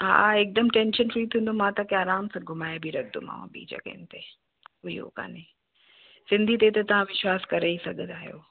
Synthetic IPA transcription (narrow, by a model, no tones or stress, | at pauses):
ɦa̰ːeːk̚d̪əmʈẽːnʃənfɾiːt̪ʰĩːn̆d̪omãt̪ɐkeaːɾaːmsãɡʱʊmaːjabʱiɾɐk̚ʰd̪o̰ma̰ːʋã̰bḭːd͡ʒɐ̰ɡə̰nɪt̪e | ʊḭɦo̰ka̰ːne | sɪ̃nd̪ʱit̪̬et̪ɐt̪ɐʋ̤ãʋɪʃwaːskɐɾeisɐɡʱə̃d̪aːɦijo̰ː